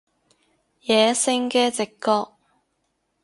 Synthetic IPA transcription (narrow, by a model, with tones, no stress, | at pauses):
jɛː˨˧sɪ˧˥ŋkɛː˧t͡sɪ˨kːɔː˧k̚